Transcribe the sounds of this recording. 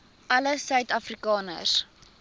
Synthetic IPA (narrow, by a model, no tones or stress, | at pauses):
ʔɐləsœɥtɐfrikɑːnə̰s